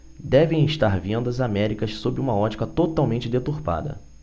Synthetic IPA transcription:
d̪ɛvẽj̃ɪʃt̪aɾvẽnd̪ɐzamɛɾikɐssobɾɪũmɐɔt͡ʃi̥kɐt̪ot̪awmẽnt͡ʃɪd̪et̪uɾpa̰d̪ɐ̰

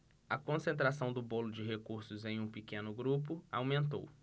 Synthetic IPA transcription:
ɐkõsẽnt̪̬ɾasɐ̃w̃d̪ʊbolʊd͡ʒɪɦekuɾsʊzẽj̃ũpikẽnʊɡɾup̬ʊa̰wmẽnt̪̬o̰w

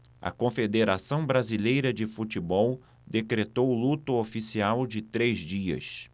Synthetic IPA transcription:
ɐ̰kõfed̪eɾasɐ̃w̃bɾazilejɾɐd͡ʒɪfut͡ʃɪbɔw | d̪ekɾet̪owlut̪ʊofisiawd͡ʒɪt̪ɾezd͡ʒiɐ̰s

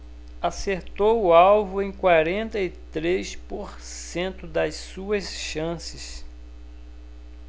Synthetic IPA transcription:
aseɾt̪owʊawvʊẽj̃kwaɾẽnt̪ɐit̪ɾespoɾ | sẽnt̪ʊd̪ɐssuɐsʃɐ̃sɪs

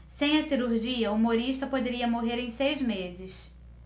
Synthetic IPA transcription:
sẽj̃ɐsiɾuɾʒiɐumoɾiʃt̪ɐpod̪eɾiɐmoɦeɾẽj̃sejzmezɪs

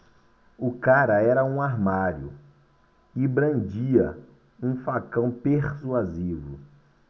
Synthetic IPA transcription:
ʊkaɾɐɛɾɐũaɾmaɾjʊ | ɪbɾɐ̃nd͡ʒiɐ | ũfakɐ̃w̃peɾsuazivʊ̰

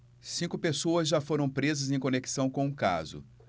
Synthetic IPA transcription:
sĩŋkʊpesoɐzʒafoɾɐ̃w̃pɾezɐzẽj̃koneki̥sɐ̃w̃kõũka̰zʊ̰

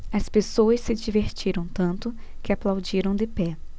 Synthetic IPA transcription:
ɐspesoɐsːɪd͡ʒiveɾt͡ʃiɾɐ̃w̃t̪ɐ̃nt̪ʊ | kɪaplawd͡ʒiɾɐ̃w̃d̪ɪpɛ

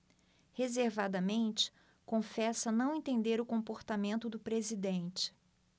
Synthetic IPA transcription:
hezeɾvad̪ɐmẽnt͡ʃɪ̥ | kõfɛsɐnɐ̃w̃ẽnt̪ẽnd̪eɾʊkõpoɾt̪amẽnt̪ʊd̪ʊpɾezid̪ẽnt͡ʃɪ̥

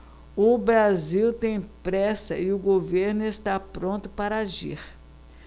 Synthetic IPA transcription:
ʊbɾaziwt̪ẽj̃pɾɛsɐɪʊɡoveɾnʊest̪apɾõnt̪ʊpaɾɐaʒḭɾ

